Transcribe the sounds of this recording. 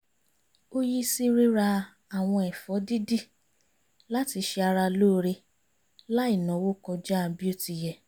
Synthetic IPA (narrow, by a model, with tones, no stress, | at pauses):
o˦ji˦si˦ɾi˦ɾa˧ | a˨w̃ɔ̃˧ɛ˨fɔ˨˦di˦di˦ | la˦ti˧ʃɛ˧a˧ɾa˧loː˦˧ɾe˧ | la˦i˦˨nã˨˦wo˦kɔ˧d͡ʒa˦˧bi˦o˦ti˧˨jɛ˨